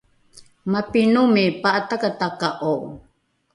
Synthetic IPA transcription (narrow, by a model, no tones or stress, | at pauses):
mapinumipaʔatakatakaʔoʔ